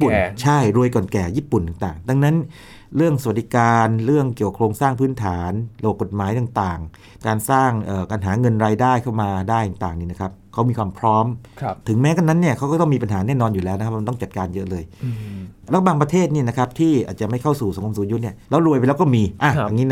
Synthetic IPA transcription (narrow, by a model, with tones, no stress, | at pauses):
pu˨nt͡ɕʰa˥˩jɾu˧əjkɔː˨˩nkɛː˨˩jiː˥˩pu˨˩nt̪aː˨˩ŋt̪aː˨˩ŋt̪a˧ŋna˦˥n | ɾɯ˥˩əŋsa˧wa˨˩di˨˧˦kaː˧nɾɯ˥˩əŋki˨˩ka˨˩kʰɾoː˧ŋsaː˥˩ŋpʰɯː˦˥nt̪ʰaː˩˦nɾa˧bp̚ko˨˩t̪̚maː˨˦jt̪aː˨˩ŋt̪aː˨˩ŋ | kaː˧nsaː˥˩ŋʔɤː˨˩ka˧nɦaː˩˦ŋɤ˧nɾaː˧jdaː˥˩jkʰa˥˩wmaː˧daː˥˩jt̪aː˨˩ŋt̪aː˨˩ŋniː˥˩na˦˥kʰa˦˥p̚kʰa˦˥miː˧kʰwaː˧mpʰɾɔː˦˥m | t̪ʰɯ˩˦ŋmɛː˦˥ka˧nːa˦˥nːi˥˩ɐkʰa˦˥wkɔː˥˩t̪ɔ˥˩ŋmiː˧pa˧nɦaː˩˦nɛː˥˩nɔː˧njuː˨˩lɛː˦wna˦˥ka˦˧t̪ɔ˥˩t͡ɕa˨˩t̪̚kaː˧njɤ˦˥ʔlɤː˧j | lɛː˦˥baː˧ŋpɾa˧t̪ʰeː˥˩t̪̚niː˥˩na˦˥kʰa˦˥p̚t̪ʰiː˥˩ʔaː˨˩t̪̚t͡ɕa˨˩ma˥˩jkʰa˥˩wsuː˨˩sa˨˦ŋʰo˧msuː˨˦ju˦˥ni˥˩ɐlɛː˦˥wɾu˧jpa˧lɛː˦˥wkɔ˥˩miː˧ʔa˧˩a˧ŋiː˦˥n˧˥